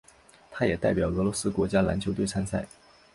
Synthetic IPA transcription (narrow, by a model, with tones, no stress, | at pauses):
t̪ʰa˥jɛ˨˩t̪a˥˩ɪpjɑ˨˩ʊɤ˧˥lwɔ˧˥sɹ̩˥kwɔ˧˥t͡ɕja˥la̰˧˥nt͡ɕʰjo˧˥ʊt̪we˥˩ɪa˥nsa˥˩ɪ